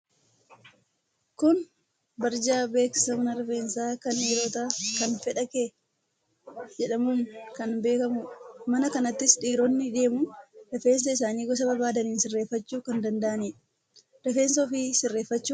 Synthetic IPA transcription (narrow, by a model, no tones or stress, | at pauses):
kʊn | bɐɾd͡ʒaːbe̞ːkɪ̥sɐmɐnɐɾɛfe̞ːnsaːkɐneːɾoːt̪akɐnfɛᶑɐke | d͡ʒɛᶑɐmuːŋkɐnbe̞ːkɐmʊmɐnɐkɐnɐt̪ːɪsᶑiːɾonːɪᶑeːmʊɾɛfe̞ːns̬ɐɪs̬aːniːɡɔs̬ɐbɐbaːd̪ɐniːnsɪrːe̞ːfːɐt͡ʃːuːkɐnd̪ɐnd̪ɐʔɐniː | ɾɛfe̞ːnsofɪsɪrːeːfːɐt͡ʃːuː